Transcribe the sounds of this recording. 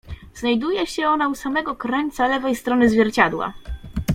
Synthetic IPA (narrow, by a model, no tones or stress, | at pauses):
znajd̪ujɛɕɛɔnausamɛɡɔkɾɛnt̪salɛvɛjst̪ɾɔnɘzvʲjɛɾt͡ɕad̪wa̰